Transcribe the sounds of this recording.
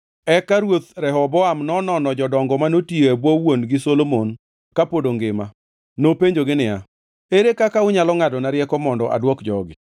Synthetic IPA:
ɛkaɾwot̪ɾɛɦɔbɔamnɔnɔnɔd͡ʒɔdɔŋɡɔmanotieabwɔwonɡɪsolomon | kapodoŋɡɪma | nopeɲd͡ʒoɡɪnɪa̰ | eɾekakaʊɲalɔŋadɔnaɾjɛkɔmɔndɔʔa̰dwɔkd͡ʒɔɡɪ̰

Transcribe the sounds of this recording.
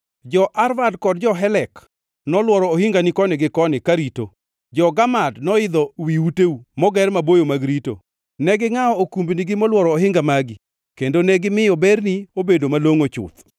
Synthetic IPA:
d͡ʒɔʔaɾvadkɔd̚d͡ʒɔɦɛlɛk | nɔlwɔɾɔohɪŋɡanikɔnɪɡɪkɔnɪkaɾito | d͡ʒɔɡamadnɔɪd̪ɔwiuteumɔɡɛrmabojomaɡɾito̰ | nɛɡɪŋaɔokumbniɡɪmɔlwɔɾɔːɦɪŋɡamaɡɪ | kendonɛɡɪmɪɔbɛrniobedomaloŋot͡ʃʊ̰t̪

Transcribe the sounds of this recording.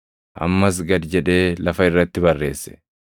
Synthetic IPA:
ʔɐ̰mːɐs̬ɡɐd̪d͡ʒɛᶑe̞ːlɐfɐɪrːɐt̪ːɪbɐrːe̞ːsːɛ̥

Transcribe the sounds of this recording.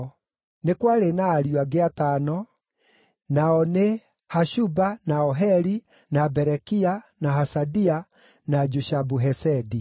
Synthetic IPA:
nekwaɾenaːɾjwaɡeatanɔ | naɔne | haʃubanaɔɦɛɾi | nabɛɾɛkianaɦasadia | nad͡ʒuʃabuɦɛsɛdi

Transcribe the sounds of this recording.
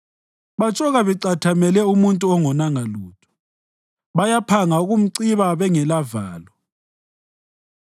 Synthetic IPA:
βat͡ʃʼɔɣaβɛǀatʰamɛlɛumuntʼuɔŋɔnaŋaluːtʰɔ̥ | βajapʰaŋauɣum̩ǀiβaβɛŋɛlava̰ːlɔ

